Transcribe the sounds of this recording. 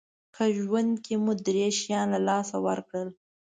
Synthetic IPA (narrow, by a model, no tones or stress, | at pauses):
kʰəʒwand̪kemud̪ɾeʃjɑnlalɑsawəɾkɽəl